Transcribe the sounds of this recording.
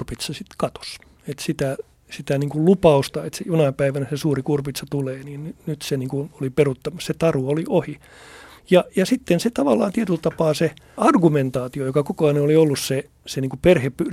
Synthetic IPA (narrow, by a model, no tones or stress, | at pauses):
rpit̪sɑsit̪kɑt̪o̥s | et̪sit̪æ | sit̪æniːŋkullupɑust̪ɑet̪sejunɑpæiʋænæsesuːrikurpit̪sɑt̪uleːniːnnynyt̪seniːŋkunoliperut̪ːɑmːɑsset̪ɑruoliʔohi | jɑjɑsit̪ːenset̪ɑʋɑlːɑ̰ːnt̪iet̪ylt̪ɑpɑːse | ɑrɡument̪ɑːt̪iojokɑkukɑɑneoliolːusse | seniːŋkuperhepːyr